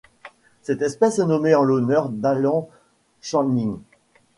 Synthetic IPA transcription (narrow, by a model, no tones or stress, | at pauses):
sɛt̪ɛspɛsɛnɔmeɑ̃lɔnœʁd̪alɑ̃ | ʃɑ̃nin